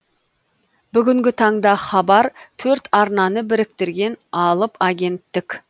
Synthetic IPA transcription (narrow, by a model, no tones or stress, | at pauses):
bʏɡʲɪŋɡʲɪt̪ʰɑɴd̪ɑχɑbɑɾt̪ʰɵɾt̪ɑɾnɑnəbɪɾɪk̚t̪ɪɾɡʲe̞nɑlˠəpaɡʲe̞nt̪ːɪkʲ